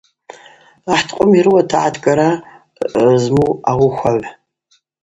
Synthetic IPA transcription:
aħtʰqʷʼʊmirɨwatʰaʕadʰɡʼaɾa | zmuawʊxʷaʕʷ

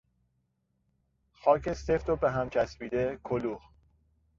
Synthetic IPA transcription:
xɒːce̞st̪eft̪obeɦæmt͡ʃʰæsbiːd̪ekʰoluh

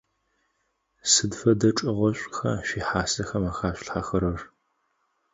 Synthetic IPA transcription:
sɨdfɐdɐʈ͡ʂʼɪʁʷɔɕʷʼxɐ̰ʃiːħaːsɐxɐmaxaːɕʷɬħaxɐɾɐr

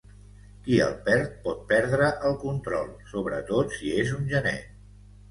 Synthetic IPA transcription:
kiə̰lˠpɛɾt̪̚pɔt̪̚pɛɾðɾəʔəlˠkunt̪ɾɔlˠsoβɾə̰t̪ot̪siezunʒənɛ̰

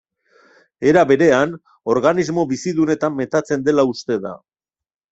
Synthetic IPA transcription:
e̞ɾaβe̞ɾe̞an | o̞ɾɣanizmo̞βisiðune̞t̪amːe̞t̪at͡se̞nd̪e̞laust̪e̞ða̰

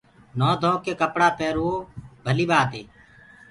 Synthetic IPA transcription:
noːd̪ʱõːkeːkəpɽaːpeːɾuːoːbʱəliːɓaːt̪eː

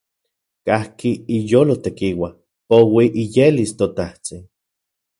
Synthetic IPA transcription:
kahkiijoːlot̪ekiwa | powiʔijelist̪ot̪aht͡sin

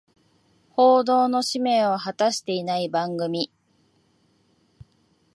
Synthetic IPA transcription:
ho̞ːd̪o̞ːno̞ɕime̞ːoɦat̪aɕi̥t̪e̞inaibãŋɡɯ̟mʲi

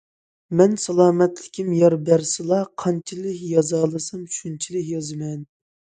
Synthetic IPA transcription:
mɛnsɑlˠɑːmɛt̪lɪkʲʰimjɑɾbæɾsɨlˠɑqʰɑnt͡ʃʰilɪkʲjɑzɑːlˠɨsɑmʃunt͡ʃʰilɪkʲjɑzɨmɛn

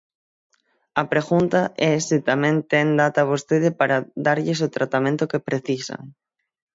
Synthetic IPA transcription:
ɐpɾeɣunt̪aʔɛsit̪amɛ̃nt̪ɛŋd̪at̪aβ̞ost̪eð̞ɪpaɾaðaɾʎɪs̬ot̪ɾat̪amẽnt̪ʊkepɾeθisa̰ŋ

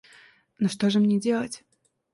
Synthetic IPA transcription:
noʂt̪o̞ʐɨmnʲedʲe̞lˠətʲ

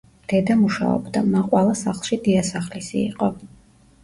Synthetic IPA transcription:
d̪̥ɛd̪amuʃa̰ɔ̰bd̪amaqʼwɛlˠasaχlˠʃid̪iasaχlisḭːqʼɔ

